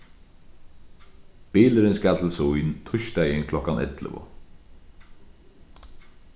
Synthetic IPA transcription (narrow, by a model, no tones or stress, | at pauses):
b̥iːləɾɪnsɡat̪l̩sujnt̪ʰʊʃt̪æjɪnkʰlɔhkanɛ̰t̪lə̰vʊ̰